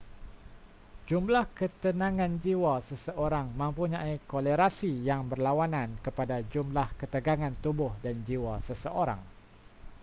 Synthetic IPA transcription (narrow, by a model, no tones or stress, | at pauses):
d͡ʒumblahkət̪ənãŋãnd͡ʒiwasəsəʔoɾaŋmə̃mpuɲãikoləɾasijaŋbərlawanãnkəpadad͡ʒumlahkət̪əɡaŋãnt̪ubʊhdand͡ʒiwasəsəʔoɾa̰ŋ